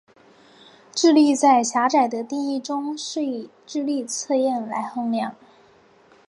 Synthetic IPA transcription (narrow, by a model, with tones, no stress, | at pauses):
ʈ͡ʂɻ̩˥˧li˥˧t͡sa˥˩ɪɕja˧˥ʈ͡ʂa˨˩ɪd̪ə˦t̪i˥˧ŋi˥˩ʈ͡ʂʊ˥ŋʂɻ̩˥˩i˨˩ | ʈ͡ʂɻ̩˥˧li˥˧t͡sʰɤ˥˧jɛ˥˩nla˧˥ɪxɤ˥˧ŋljɑ˥˩ŋ